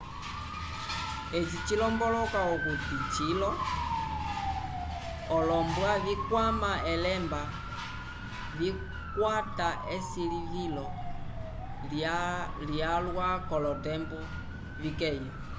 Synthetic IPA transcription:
ɛt͡ʃit͡ʃilɔmbɔlɔkaɔkutit͡ʃilɔ | ɔlɔmbwaβikwamaɛlɛmba | vi | kwataɛsilivilɔ | ljalwakɔlɔtɛmbu | vikɛjɔ

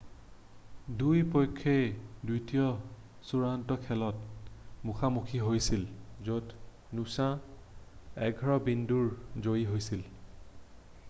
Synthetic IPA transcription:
dujpojkʰːejdujtijɔ | suɹantɔkʰɛlɔtmuxʰamukʰiɦojsilzot | nusã | ɛɡʱɔɹɔbinduɹzojiɦojsil

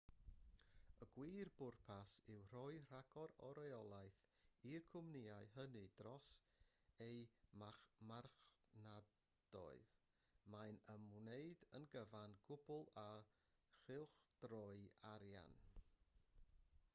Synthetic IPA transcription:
əɡwiːrbʊrpʰasɪwr̥ɔɨr̥aɡ̥ɔɾɔɾɛɔlˠajθirkʰʊmniaɨɦənɨd̥rɔs | ejmaχmarχna | d̥ɔ̰ɨð | majnəmwneɨdənɡəvanɡʊbʊlˠa | χɪlˠχd̥rɔɨaɾja̰n

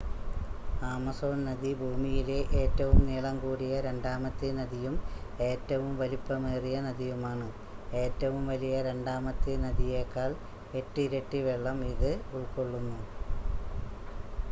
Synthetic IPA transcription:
aːmɐso̞ːnnɐðibʱuːmijileʔeːtːɐʋumniːɭɐmkuːɽijɐɾe̞ɳɖaːmɐt̪ːɨnɐðijume̞ːtːɐʋumʋɐlipːɐmeːrijɐnɐðijumaːɳɨ | e̞ːtːɐʋumʋɐlijɐɾeɳɖaːmɐt̪ːɨnɐðijeːkːaːɭ | e̞tːɨiɾɐʈːɨʋeɭːɐmiðɨuɭko̞ɭːunːu

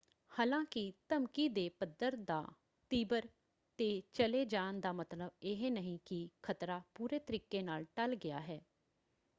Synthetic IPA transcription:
haːlãːkɪt̪əmkiːd̪eːpəd̪əɾd̪a̰ː | t̪iːbəɾ | t̪eːt͡ʃəleːd͡ʒaːənd̪aːmət̪ləbɪɦenəɦĩːkɪkʰət̪ɾaːpuːɾeːt̪əɾiːkeːnaːlʈəlɡɪa̰ːɦɛː

